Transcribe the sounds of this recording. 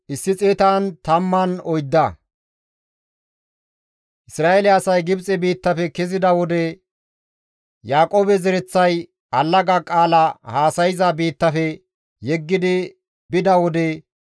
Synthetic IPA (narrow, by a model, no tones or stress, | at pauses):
ʔɪsːɪt͡sʼeːt̪aːnt̪ɐmːɐnɔjd̪ːɐ | ʔɪsɾaːelɪɐsɐjɡɪbt͡sʼɛbiːt̪ːɐfɛkɛzɪd̪ɐwɔd̪ɛ | jaːkʼoːbɛzɛɾɛt͡sːɐj | ɐlːɐɡɐkʼaːlɐhaːsɐjɪzɐbiːt̪ːɐfɛ | jɛɡːɪd̪ɪ | bɪd̪ɐwɔd̪ɛ